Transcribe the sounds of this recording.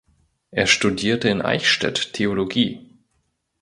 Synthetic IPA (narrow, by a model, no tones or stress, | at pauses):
ʔeːɐʃtudiːɐtəɪnʔa̰ɪçʃtɛ̰ttʰːeoloɡiː